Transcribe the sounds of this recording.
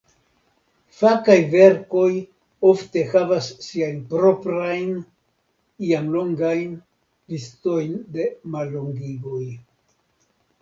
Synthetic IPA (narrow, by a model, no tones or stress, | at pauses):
fakajve̞ɾko̞j | o̞fte̞havasːiajnpɾo̞pɾajn | iamlo̞ŋɡajn | listo̞jnde̞malːo̞ŋɡiɡo̞j